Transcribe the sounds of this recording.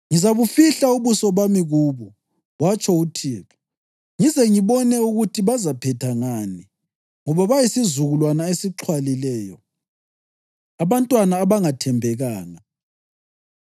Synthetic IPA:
ŋizaβufiɬauβusɔβamiɣuːβu | wat͡ʃʰʼɔutʰiːɣa | ŋizɛŋiβɔnɛuɣutʰiβazapʰɛtʰaŋani | ŋɔβaβajisizuɣulwanaesiǁʰwalilɛːjɔ | aβantʼwanaːβaŋatʰɛmbʱɛɣaːŋa

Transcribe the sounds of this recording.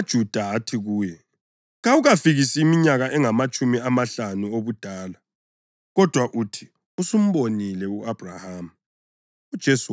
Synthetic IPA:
ad̥ʒ̥ʱud̥ʱaɦatʰiɣuːjɛ | ɣauɣafiɣisiːmiɲaɣaʔɛŋamat͡ʃʼumiamaɬanuoβud̥ʱaːla | ɣɔd̥ʱwaʔutʰi̥ | usum̩βonilɛuʔab̥ʱrahamu | ud̥ʒ̥ʱɛs

